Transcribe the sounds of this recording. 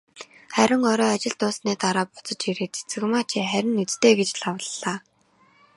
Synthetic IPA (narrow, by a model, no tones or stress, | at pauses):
χæɾʲɪ̆ŋɔɾɔːat͡ɕɪ̆ɮt̪ʊːsneːt̪aɾaːpʊ̥t͡sə̆t͡ɕiɾeːt͡sʰe̥t͡sɘ̆kmaːt͡ɕʰiχæɾʲɪ̆nːɵt͡st̪eːɡet͡ɕɮawə̆ɮːaː